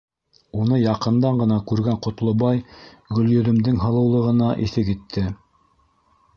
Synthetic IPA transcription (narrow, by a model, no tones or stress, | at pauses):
unɤjɑqɤ̆nd̪ɑɴɢɤ̆nɑkʉɾɡæɴqŏt̪lˠŏbɑj | ɡɵ̆ljɵ̆ðɵ̆md̪ɘŋɦɤ̆lˠɤ̆wlˠɤ̆ʁɤ̆nɑʔiθɘkit̪ʰːɘ